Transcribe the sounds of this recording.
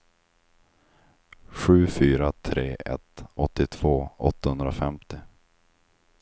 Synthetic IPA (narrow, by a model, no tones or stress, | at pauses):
ɧʉ̟ːfyːɾat̪ʰɾeːʔɛ̰t̪ɔt̪ːɪt̪ʰv̥oːɔt̪ːahɵnd̪ɾafɛmt̪ɪ